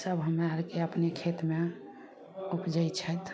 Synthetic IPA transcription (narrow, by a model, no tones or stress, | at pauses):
səbɦəmaɾkeəpnekʰet̪me | upd͡ʒəjt͡ʃʰət̪